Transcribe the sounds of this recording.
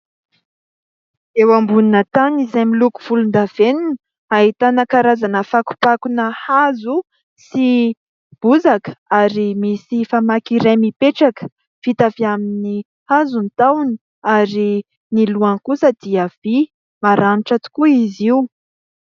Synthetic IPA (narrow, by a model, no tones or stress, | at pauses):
ewambuninət̪anizajmiluku̥v̥ulund̪av̥enin | aɦit̪anakaɾazanəfaku̥pakunəhazu | si | b̥uzakə̥aɾimisifamakiɾemipeʈ͡ʂakə̥ | fit̪aviamini | hazunt̪awni | aɾi | niluankusəd̪iəv̥i | maɾaniʈ͡ʂat̪u̥kuiziu